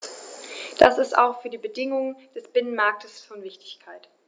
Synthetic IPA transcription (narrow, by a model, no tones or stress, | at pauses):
d̥a̰sɪsta̰ʊxfyːɐdiːbədɪŋʊŋənd̥ɛsb̥ɪnənmaɐk̚tʰəsfɔnvɪçtɪ̥çkʰaɪt